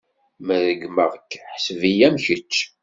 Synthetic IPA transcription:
mæðəɡməʁkːħəsvijæmçət͡ʃː

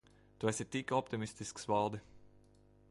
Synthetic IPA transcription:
t̪uɛsit̪ikɔpt̪imist̪isksvalˠd̪ɨ

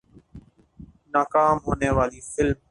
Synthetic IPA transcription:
naːkaːmɦoːneːʋaːliːfɪlm

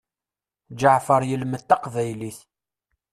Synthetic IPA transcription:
d͡ʒəʕfəɾˤjəlmət̪ːɑqvæjliθ

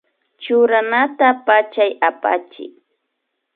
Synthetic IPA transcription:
t͡ʃʊɾanat̪apat͡ʃajapa̰t͡ʃɪ̰k̚

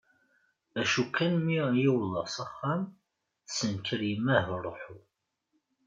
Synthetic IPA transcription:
æʃukːænmijiwlɑsˤɑχːam | sənkəɾjəmæhɾˤoħu

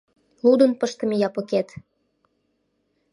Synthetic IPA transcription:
lud̪ə̆npəʃt̪ə̆mejɑpəket̪

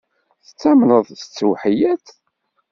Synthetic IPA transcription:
θət͡sːæmnəðˤsət͡sːwħijæt͡s

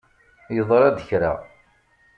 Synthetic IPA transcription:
jəðˤɾˤɑd̪əçɾa̰

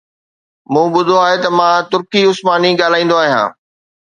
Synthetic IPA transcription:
mũːɓʊd̪ʱoaːɦet̪ɐmãːt̪ʊɾkiʊsmaːniɠaːl̤aːĩːnd̪oaːɦijã̰ː

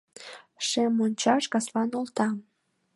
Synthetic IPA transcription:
ʃemonʲt͡ɕɑʃkɑslɑnolt̪ɑm

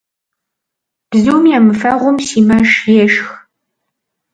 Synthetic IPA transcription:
b̥zɨwmjaːmɨfɐʁʷʊmsiːmɐʂjɛʃx

